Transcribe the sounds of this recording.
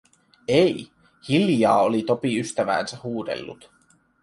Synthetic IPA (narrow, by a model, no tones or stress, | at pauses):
ej | hiljɑːolit̪o̞piyst̪æʋæ̰ːnsæhuːd̪e̞̰lːṵt̪